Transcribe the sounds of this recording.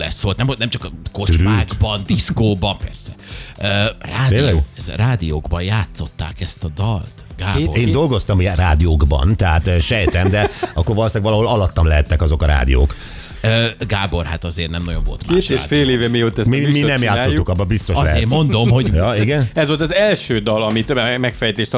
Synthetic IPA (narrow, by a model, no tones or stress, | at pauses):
lɛ̰sːolt̪nɛmot̪nɛmt͡ʃɒkko̞t̪yɾylːɡ̪bɒnd̪iskoːbɒmpɛrsɛøːraːt̪eːilɛzraːd̪ijoːɡbɒjjaːt̪so̞t̪ːa̰ːkɛst̪ɒd̪ɒlt̪ɡaːeːnd̪o̞lɡo̞st̪ɒmjɛraːd̪ijoːɡbɒ̰nt̪ɛɦat̪ːʃɛjt̪ɛnd̪ɛɒkːorvɒlosaːɡʋɒlɒɦo̞lɒlɒt̪ːɒmlɛɦɛt̪ːɛkɒzo̞kɒɾa̰ːd̪ḭjo̰ːk | øːɡaːbo̞rha̰t̪ɒzeːrnɛmnɒ̰joɱvo̞̰lt̪maːefeːleːvɛmijoːt̪ːɛsmiminɛmjaːt̪soukɒbːɒbist̪oʃɒɛɦeːmːo̞nd̪o̞mho̞ɟjɒiɡɛnɛzʋo̞lt̪ɒzɛlʃøːd̪ɒlɒmit̪mɛkfɛjt̪eːʃt̪